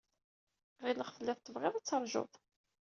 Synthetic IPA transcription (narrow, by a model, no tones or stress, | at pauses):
ʁiləχfəlːɪθˤt̪ːəvʁɪðˤæt͡sːɑɾˤʒʊ̰ðˤ